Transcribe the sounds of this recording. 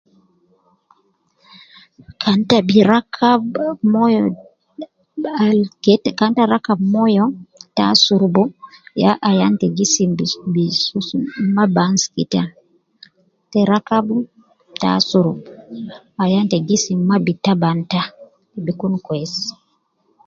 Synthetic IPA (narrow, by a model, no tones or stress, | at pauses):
kʰantabiɾakʰabmɔjɔ | aktkantaɾakabmɔjɔta̰suɾbɔjaʔajantɛɡisibisumabanskḭta | tɛɾakabu | ta̰suɾbɔ | ajantɛɡisimabitabanta | bikunkwɛs